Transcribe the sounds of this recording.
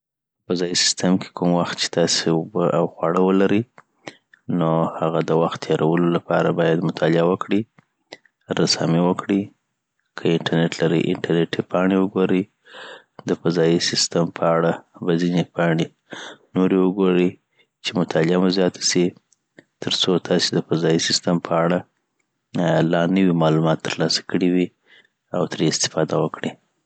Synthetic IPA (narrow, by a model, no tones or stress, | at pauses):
əfazɑjisɪ̥st̪əmkʰe̥kumwaxt̪̚t͡ʃe̥t̪ɑseubəʔawxwaɽəwəlaɾi | nohaɣad̪əwaxt̪ːʰjɑɾawəlolapɑɾabɑjad̪mʊt̪ʰɑlɪawəkɽi | ɾasɑ̰miwəkɽi | kʰəɪɳʈaɾneʈlaɾḭʔɪ̰ɳʈaɾneʈipɑɳewəɡoɾi | d̪əfazɑjisɪst̪əmpʰəaɽabazinepʰɑɳe | noɾewəɡoɾi | t͡ʃemʊt̪ʰɑlɪamazjɑt̪ʰḁsi | t̪əɾt͡sot̪ʰɑsed̪əfazɑjisɪst̪əmpʰəaɽa | lɑnəwimɑlumɑt̪ːəɾlɑsḁkəɽiwi | awt̪əɾeɪst̪ɪ̥fɑd̪awəkɽi